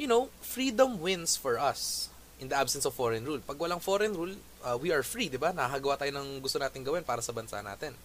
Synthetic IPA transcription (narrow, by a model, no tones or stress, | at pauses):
jʊnowfɹid̪ɐ̃mwɪ̃nsfɔɹʔɐs | ʔɪnd̪ɐʔabsɛnsɔvfoɹɛnɹulpɐɡwɐlaŋfoɾɛnɾul | ʔɐːwiɐɹfɹid̪ɪbanɐhakɐɡɐwaːt̪aːjonɐŋɡʊst̪onaːt̪ɪŋɡɐwɛnpaːɾɐsɐbɐnsa̰na̰ːt̪ɪn